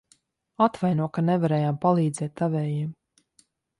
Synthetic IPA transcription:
at̪vajnuɔkanɛvaɾɛːjaːmpalˠiːd̪zɛːt̪ːavɛːjim

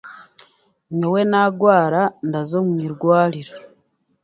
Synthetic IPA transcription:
ɲowe̞naːɡwaːɾandazo̞mwiːɾɡwaːɾiɾo

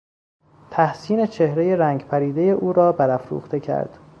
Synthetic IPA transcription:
t̪ʰæhsiːne̞t͡ʃʰe̞hɾe̞je̞ɾæŋɡpʰæɾiːd̪e̞je̞ʔuːɾɒːbæɾæfɾṵːxt̪ʰe̞cʰæ̰ɾd̪̥

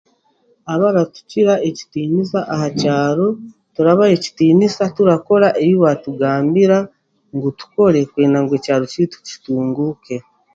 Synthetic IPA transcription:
aβaɾatu̥ciɾaʔe̞ci̥tiːnisaʔahacaːɾo̞ | tuɾaβae̞ci̥tiːnisatuɾako̞ɾaʔejuβatuɡaːmbiɾa | ŋɡutu̥ko̞ɾe̞kweːnaŋɡwe̞caːɾocitu̥ci̥tuːŋɡuke̞

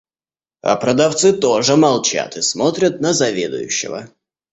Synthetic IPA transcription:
ɐ̰pɾəd̪ɐft̪sɨt̪o̞ʐɨmɐlˠt͡ɕa̰t̪ɨsmot̪ɾʲət̪nəzɐvʲe̞d̪ʊ̰jʊ̰ɕːɪ̰və̰

